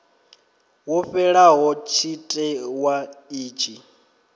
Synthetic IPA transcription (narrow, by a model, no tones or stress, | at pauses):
wɔɸɛɺaɦɔt͡ʃʰitʼɛwaiːt͡ʃʼi